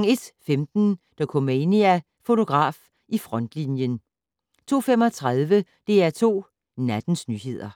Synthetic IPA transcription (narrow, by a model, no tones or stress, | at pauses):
ŋe̝d̥femd̥n̩d̥ɑkʰɔmeeniæ | fo̝t͡sʰo̝ɡ̥ʁɑ̰̈ːf | ʔifʁɒ̽n̰d̥linjən | t͡sʰo̝̰ːfem̰ɒt͡sʰʁaðˠʋə | d̥e̝æɐt͡sʰo̝̰ː | næd̥n̩snyːɦe̝ð̞̰ˠɐ